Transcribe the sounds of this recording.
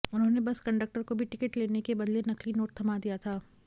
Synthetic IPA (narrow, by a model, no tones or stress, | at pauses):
ʊnɦõːnebɐskɐ̃ɳɖək̚ʈəɾkobʱiʈɪkəʈleːnekebɐd̪lenɐklinoːʈ̚t̪ʰɐmad̪ijat̪ʰaː